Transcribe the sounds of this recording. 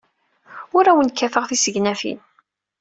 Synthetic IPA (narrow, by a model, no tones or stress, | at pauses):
ʊɾæwənkːæfəʁθisəʝnæfḭn